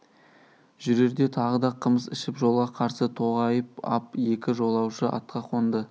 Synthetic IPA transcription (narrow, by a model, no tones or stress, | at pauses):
ʒʏɾe̞ɾd̪e̞t̪ʰɑʁəd̪ɑqʰəməsɪʃɪpʒo̞lˠʁɑqʰɑɾsət̪ʰo̞ʁɑjəp̚ɑ̰p̚je̞kʲɪʒo̞lˠɑwʃəʔɑ̰t̪qɑqʰo̞nd̪ə